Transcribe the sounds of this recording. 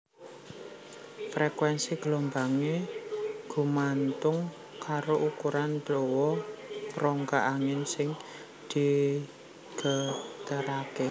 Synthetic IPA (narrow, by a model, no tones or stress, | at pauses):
fɾɛkwɛnsiɡ̥lombaŋe | ɡ̥ṳmant̪ʊŋ | kaɾoʔukuɾandowɔpɾɔŋkaʔaŋɪnsɪŋ | d̪̥i̤ | ɡ̥ə̤t̪əɾake